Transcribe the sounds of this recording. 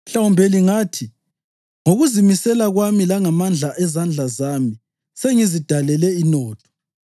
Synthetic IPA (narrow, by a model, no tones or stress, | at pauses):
ɬawumbʱeliŋaːtʰi | ŋoɣuzimisɛlaɣwamilaŋamand͡ɮʱaʔɛzand͡ɮʱazami | seŋizid̥ʱalɛlɛinɔːtʰɔ̥